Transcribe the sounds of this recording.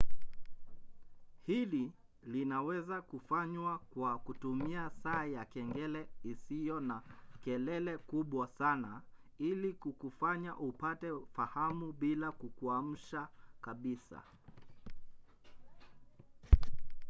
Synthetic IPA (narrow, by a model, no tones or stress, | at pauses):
hili | linawɛzakufaɲwakwakutumiasaːjakɛŋɡɛlɛisijɔnakɛlɛlɛkuɓwasana | ilikukufaɲaʔupatɛfahamuɓilakukuam̩ʃakaɓisa̰